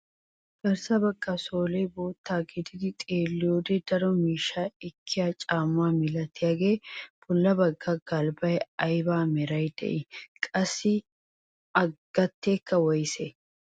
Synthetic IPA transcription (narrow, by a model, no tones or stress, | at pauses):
kɐɾsɐbɐkːɐsoːleːboːt̪ːaːɡɪd̪ɪd̪ɪt̪ʼeːlːɪjoːd̪ed̪ɐɾɔmiːʃːaːɪkʰːɪjaːt͡ʃʼaːmʊwaːmɪlɐt̪ːɪjaɡe̞ːb̥ʊlːɐbɐɡːɐɡɐlbɐjɐjbaːmɛɾɐjd̪̥ɛ̰ʔɪkʼɐsːɪ | ɐɡ̥ɐt̪ːeːkːɐwɔjsɛ